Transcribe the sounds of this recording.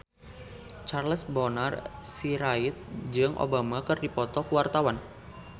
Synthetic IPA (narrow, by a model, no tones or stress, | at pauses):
t͡ʃarləsbɔnarsiɾait̪̚d͡ʒɨŋʔo̰bamakɨrdipɔt̪ɔkuwart̪awan